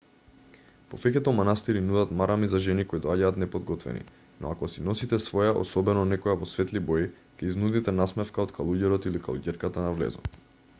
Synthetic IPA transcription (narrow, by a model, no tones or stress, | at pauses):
pɔfɛkɛt̪ɔmanast̪iɾinud̪at̪maɾamizaʒɛnikoid̪ɔaɟaːt̪nɛpod̪ɡɔt̪vɛ̰nḭ | nɔ̰akɔsinɔsit̪ɛsvɔjaʔɔ̰sɔbɛnɔnɛkɔjavɔsvɛt̪liboji | kʲɛiznud̪it̪ɛnasmɛfkaot̪kalˠuɟɛɾɔt̪ilika̰lˠṵɟɛɾkat̪anavlɛ̰zɔ̰t̪